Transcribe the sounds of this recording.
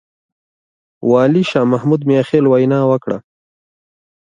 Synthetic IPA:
wɑːliʃɑːmahmud̪mejaxeːlwajnɑːwəkɽa̰

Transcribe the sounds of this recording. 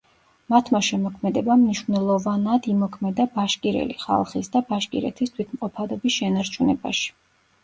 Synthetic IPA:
mat̪ʰmaʃɛmɔkʰmɛd̪ɛbamniʃvnɛlˠɔvanad̪imɔkʰmɛd̪abaʃkʼiɾɛ̰liχa̰lˠχisd̪abaʃkʼḭɾɛ̰t̪ʰist̪ʰwit̪ʰmqʼɔpʰad̪ɔbisʃɛnaɾt͡ʃʰunɛba̰ʃi̥

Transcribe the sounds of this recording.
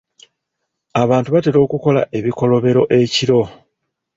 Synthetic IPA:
aβaːntuβateɾo̞ːkuko̞la̰ʔe̞βiko̞lo̞βe̞ɾo̞ʔe̞ciɾo̞

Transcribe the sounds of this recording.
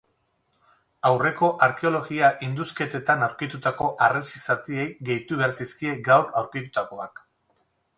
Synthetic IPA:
awre̞ko̞ʔaɾke̞o̞lo̞ɣiaʔind̪uske̞t̪e̞t̪anawɾkit̪ut̪ako̞ʔaresisat̪ie̞jɡe̞jt̪uβeaɾsiskie̞ɡawrawɾkit̪ut̪ako̞ak

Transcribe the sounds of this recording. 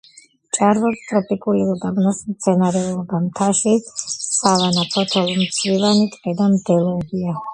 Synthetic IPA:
t͡ʃʼaɾvɔst̪ʼɾɔpʼikʼulilɔɡ̪abnasmt̪sʰɛnaɾɛulˠɔbamt̪ʰaʃisavanapʰɔt̪ʰɔlɔmt̪sʰvivanit̪ʼqʼɛd̪amd̪ɛlˠɔbia

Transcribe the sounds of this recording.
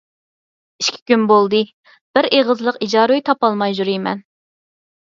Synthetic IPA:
iʃkʲʰi̥kʲynbolˠd̪ɨ | b̥ɪɾeʁəzlˠəqid͡ʒɑːɾujt̪ʰɑpɑlˠmɑjʒuɾijmɛ̰n

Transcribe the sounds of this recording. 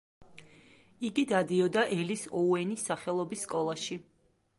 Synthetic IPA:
iɡid̪ad̪iɔd̪aʔɛlisɔuɛnisːaχɛlˠɔbisːkʼɔlˠaʃi

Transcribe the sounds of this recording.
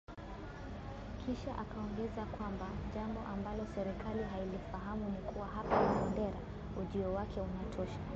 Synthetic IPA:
kʰiʃaʔakaɔŋɡɛzakwambaʄambɔʔambalɔsɛɾikaliɦailifaɦamunikuwaɦapawasandɛɾa | uʄiɔwakʰɛunatʰɔʃa

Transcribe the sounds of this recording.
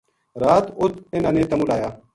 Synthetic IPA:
ɾaːt̪ʊt̪ʰɪnãːnẽːt̪əmuːlaːjaː

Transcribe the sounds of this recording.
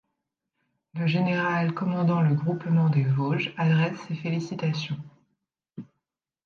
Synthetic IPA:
ləʒeneʁalkɔmɑ̃d̪ɑ̃ləɡʁupmɑ̃d̪evoʒad̪ʁɛsːefelisit̪asjɔ̃

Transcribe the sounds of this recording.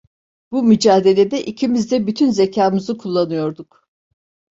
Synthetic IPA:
bumyd͡ʒaːd̪e̞lʲe̞d̪ɛʔicʰimizd̪ɛbyt̪ʰynzecʰaːmɯzɯkʰulˠːanɯjo̞ɾd̪uk

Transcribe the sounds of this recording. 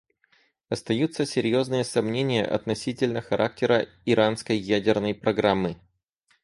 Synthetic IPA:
ɐst̪ɐjut̪sːəsʲɪɾʲjo̞znɨjəsɐmnʲenʲɪjə̰ʔɐ̰t̪nɐsʲitʲɪlʲnəxɐɾʔak̚tʲɪɾə | ɪɾʔanskəjːædʲɪrnəjpɾɐɡɾamːɨ

